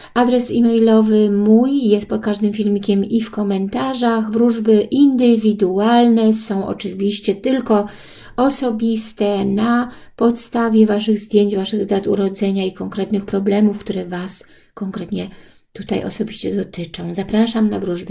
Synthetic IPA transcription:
ad̪ɾɛsimɛjlɔvɘmujːɛst̪̚pɔt̪̚kaʐd̪ɘmfʲilmʲikʲɛmifkɔmɛnt̪aʐaxvɾuʐbɘʔind̪ɘvʲid̪ualnɛsɔ̃w̃ʔɔ̰t͡ʂɘvʲiɕt͡ɕɛt̪ɘlkɔ | ɔsɔbʲist̪ɛna | pɔt̪st̪avʲjɛvaʂɘɣzd̪ʲjeɲt͡ɕvaʂɘɣzd̪at̪uɾɔd̪zɛɲaikɔŋkɾɛt̪nɘxpɾɔblɛmufkt̪uɾɛvas | kɔŋkɾɛt̪ɲɛ | t̪ut̪a̰jʔɔ̰sɔbʲiɕt͡ɕɛd̪ɔt̪ɘt͡ʂɔ̃w̃zapɾaʂamnavɾuʐbɘ

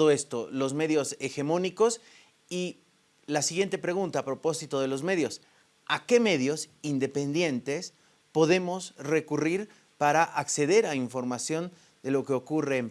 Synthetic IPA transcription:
ðoe̞st̪o̞lo̞zme̞ðjo̞se̞xe̞mõ̞niko̞s | i | lasiɣje̞nt̪e̞pɾe̞ɣ̞unt̪aːpɾo̞po̞sit̪o̞ð̞e̞lo̞zme̞ðjo̞s | ake̞me̞ðjo̞sind̪e̞pe̞nd̪je̞nt̪e̞s | po̞ðe̞mo̞sre̞kuriɾ | paɾaʔakse̞ðe̞ɾaiɱfo̞ɾmasjo̞n | d̪e̞lo̞ke̞o̞kure̞ːm

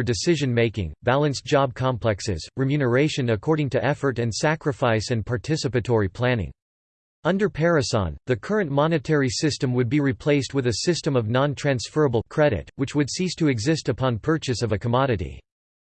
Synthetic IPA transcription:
ə˞dɨsɪʒɨ̃nmeɪkɪ̰̃ŋbælˠɨ̃nsd̥ʒ̥ɑb̚kʰɑ̃mpʰlɛksɪ̰z̥ɹɨmjʉnə˞eɪʃɨ̃nɨkʰɔɹɾɪ̃ŋtʰɨʔɛfə˞ɾɨ̃nsækɹɨfaɪsɨ̃npʰɑɹtʰɪsɨpɨtʰɔɹipʰl̥ænɪ̰̃ŋ | ʌ̃ndə˞pʰɛɹɨsɑ̰̃nðɨkʰɜ˞ɨ̃nʔmɑnɨtʰɛɹisɪstɨ̃mwɨd̚biɹipʰl̥eɪst̚wɨðɨsɪstə̃mʌvnɑ̃ntʰɹ̥æ̃nsfɜ˞əbl̩ˠkʰɹ̥ɛɾɨ̰t̚wɨt͡ʃwɨdsistʰɨɨɡzɪstɨpʰɑ̃npʰɜ˞t͡ʃɨsʌvɨkʰəmɑɾɨɾḭ

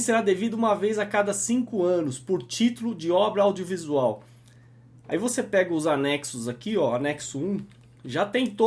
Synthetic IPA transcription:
seɾad̪evid̪ʊũmɐvejzɐkad̪ɐsĩŋkʊɐ̃nʊspoɾt͡ʃit̪ʊlʊd͡ʒɪɔbɾɐawd͡ʒiovizuaw | aivosepɛɡɐʊzanɛksʊzakiɔanɛksʊũ | ʒat̪ẽj̃t̪o

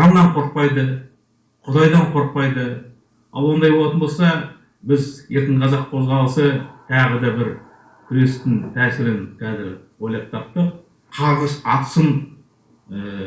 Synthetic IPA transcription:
ɑmnɑɴqʰo̞ɾq̚pɑjd̪ə | qʰʊd̪ɑjd̪ɑɴqʰo̞ɾq̚pɑjd̪ə | ɑ̰lˠwo̞nd̪ɑjbolˠɑt̪ənbo̞lˠsɑ | bɪzje̞ɾt̪ɪɴqʰɑzɑq̚qʰo̞zʁɑlˠəsət̪ʰɑʁəd̪ɑbɪɾ | kʲʰʏɾe̞st̪ɪnt̪ʰæːsɪɾɪnk̪ʰæzɪɾwo̞jlˠɑp̚t̪ʰɑp̚t̪əq̚ | qʰɑɾʁəʃɑt̪səm | ə

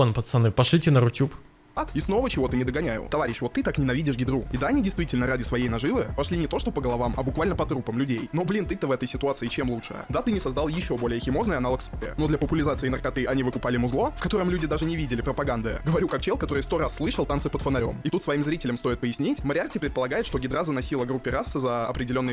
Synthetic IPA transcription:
onpət̪sɐnɨpɐʂlʲitʲɪnəɾʊtʲːup | at̪ɪsno̞vət͡ɕɪvo̞t̪ɨnʲɪd̪əɡɐnʲæjʊ̰t̪ɐvaɾʲɪɕvo̞t̪ːɨt̪aknʲɪnɐvʲidʲɪʂɡʲɪd̪ɾuɪd̪aɐnʲidʲɪjst̪vʲitʲɪlʲnəɾadʲɪsvɐjejnɐʐɨvɨpɐʂlʲinʲɪt̪o̞ʂt̪o̞pəɡəlˠɐvamɐ̰bʊkvalʲnəpɐt̪ɾupəmlʲʉdʲejno̞blʲint̪ɨt̪əvɛt̪əjsʲɪt̪ʊat̪sɨɪt͡ɕe̞mlˠutʂɨ̰jə̰d̪at̪ɨnʲɪsɐzd̪alˠjɪɕːo̞bo̞lʲɪjəxʲɪmo̞znəjəɐnalˠəksʲɪ̰ə̰no̞d̪lʲɐpəpʊlʲɪzat̪sɨɪnərkɐt̪ɨʔɐnʲivɨkʊpalʲɪmʊzlˠo̞fkɐt̪o̞ɾəmlʲʉdʲɪd̪aʐɨnʲɪvʲidʲɪlʲɪpɾəpɐɡand̪ɨɡəvɐɾʲukak̚t͡ɕelˠkɐt̪o̞ɾɨjst̪o̞ɾasːlˠɨʂəlˠt̪ansɨpət̪fənɐɾʲo̞̰mɪt̪ut̪svɐimzɾʲitʲɪlʲəmst̪o̞ɪt̪̚pəjɪsʲnʲitʲməɾʲɪartʲɪpɾʲɪt̪pəlˠɐɡajɪt̪ʂt̪o̞ɡʲɪd̪ɾazənɐsʲilˠəɡɾupʲːɪɾasɨzəɐ̰pɾʲɪdʲɪlʲo̞nːɨj

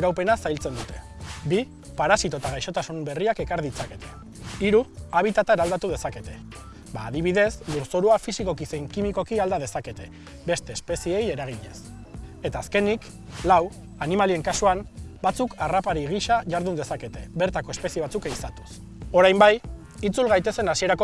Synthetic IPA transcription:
ɾawpe̞nasajlt͡se̞nd̪ut̪e̞ | bi | paɾasit̪o̞t̪aɣ̞ajʃo̞t̪asumbe̞riake̞kaɾðit͡sake̞t̪ʰe̞̥ | iɾuaβ̞it̪at̪aeɾald̪at̪uð̞e̞sake̞t̪e̞ | baːðiβ̞iðe̞sluɾso̞ɾuafisiko̞kisejŋkimiko̞kiald̪að̞e̞sake̞t̪e̞ | be̞st̪e̞ːspe̞sie̞je̞ɾaɣ̞iɲe̞̰s | e̞t̪aːske̞nik | law | animalie̞ŋkasuanbat͡sukarapaɾiɣ̞iʃaʝaɾðund̪e̞sake̞t̪e̞βe̞ɾt̪ako̞e̞spe̞sieat͡sukejsat̪u̥s | o̞ɾajmbaj | it͡sulɣajt̪e̞se̞nasie̞ɾako

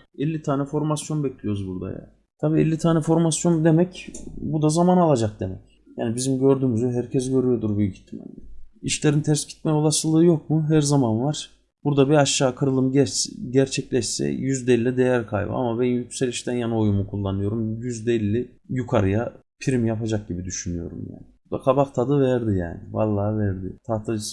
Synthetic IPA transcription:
ɛlʲːit̪ʰaːnɛfo̞ɾmasjo̞nbɛclʲijo̞ɾuzbuɾd̪a̰ja̰ | t̪ʰabiːɛ̰lʲːit̪ʰaːnɛfo̞ɾmasjo̞nd̪e̞mɛcbud̪azamanalˠad͡ʒak̚d̪e̞mɛ̰c | ja̰ːnibizimɟø̞ɾd̪yːmyzyɦæɾcʰɛzɟø̞ɾyjo̞d̪uɾbyjycʰi̥t̪ʰːimɛ̰nɛiʃlʲeɾint̪ʰæɾsɟi̥t̪̚mɛo̞lˠasɯlˠɯːjo̞k̚muɦæɾzamanvaɾ̥ | b̥uɾd̪abiaʃːaːkʰɯɾɯlˠɯmɟɟæɾt͡ʃʰɛclʲɛʃsɛ̰jyzd̪ɛlʲːɛd̪ejæɾkʰajbɯ̰a̰mabɛnnjycselʲiʃt̪ʰænjano̞jumukʰulˠːanɯjo̞ɾumjyzd̪ɛlʲːi | jukʰaɾɯja | pʰiɾimjapad͡ʒak̚ɟibid̪yʃynyjo̞̰ɾṵmja̰ːnɪbud̪akʰabakt̪ʰad̪ɯvɛɾd̪ija̰ːnɪva̰lˠːaːvɛɾd̪ɪt̪ʰaːt̪ʰad͡ʒɯs

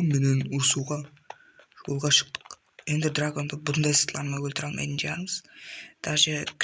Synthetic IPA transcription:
nme̞nenʊɾsuʁɑ | ʒwolˠʁɑʃə̥q̚t̪ə̥q | je̞nd̪ɪd̪raɡo̞nd̪əbʊt̪ənd̪ɑjsə̥t̪əlˠɑnmɑjwɵlt̪ɪɾɑlˠmʔɑ̰jt̪nʒɑ̰ɑɴəz̥t̪ʰɑʒekʲ

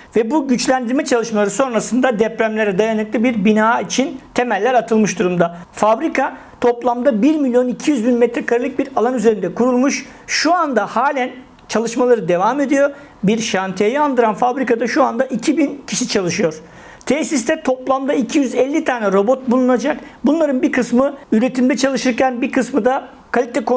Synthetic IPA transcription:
vɛbuɟyt͡ʃlʲænd̪iɾmɛt͡ʃʰalˠɯʃmalˠaɾɯso̞nɾasɯnd̪ad̪ɛpɾæmlʲeɾɛd̪ajanɯklˠibiɾbinaːit͡ʃʰint̪ʰe̞mælʲːæɾat̪ʰɯlˠmɯʃd̪uɾumd̪afabɾikʰa | t̪ʰo̞plˠamd̪abiɾmilʲjo̞nicʰijyzbinmɛt̪ɾɛkʰaɾɯlˠɯk̚biɾalˠanyze̞ɾind̪ɛkʰuɾulˠmuʃʃuand̪ahaːlʲæn | t͡ʃʰalˠɯʃmalˠaɾɯd̪e̞vame̞d̪ijo̞ | biɾʃant̪ʰejiand̪ɯɾanfabɾikad̪aʃuand̪aʔicʰibincʰiʃit͡ʃʰalˠɯʃɯjo̞ɾ̥ | t̪ʰesis̬t̪ɛt̪ʰo̞plˠamd̪aicʰijyzɛlʲːit̪ʰaːnʲɛɾo̞bo̞t̪̚bulˠunad͡ʒakbunlˠaɾɯnbiɾkʰɯsmɯyɾe̞t̪ʰimd̪ɛt͡ʃʰalˠɯʃɯɾcænbiɾkʰɯsmɯd̪a | kʰalʲit̪ʰɛkʰo

